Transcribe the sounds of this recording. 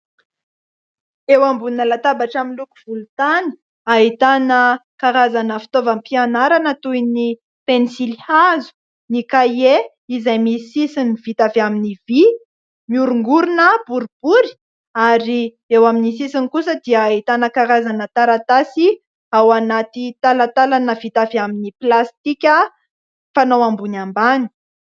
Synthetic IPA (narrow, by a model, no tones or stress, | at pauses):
ewambunəlat̪abaʈ͡ʂaminluku̥v̥ulut̪ani̥ | ait̪anəkaɾazanəfi̥t̪ovampianaɾanət̪ujni | penisilihazu̥ | nikaje | izajmisisiniv̥it̪aveaminivi | miuɾuŋɡuɾunəb̥uɾib̥uɾi̥ | aɾi | ewaminisisinkusəd̪iəit̪anakaɾazanət̪aɾat̪asi | awanat̪it̪alat̪alanəvit̪avaminiplast̪ikʲə | fanowambunambani̥